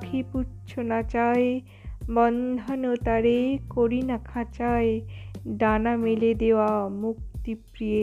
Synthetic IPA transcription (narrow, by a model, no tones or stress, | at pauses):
kʰiput͡ʃʰonat͡ʃae | bɔnd̪ʱanot̪aɾekoɾinakʰat͡ʃaeɖanameled̪ewamuk̚t̪ipɾije